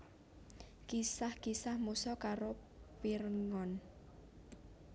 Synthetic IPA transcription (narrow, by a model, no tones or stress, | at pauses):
kisahkisahmusɔkaɾo | piɾŋɔn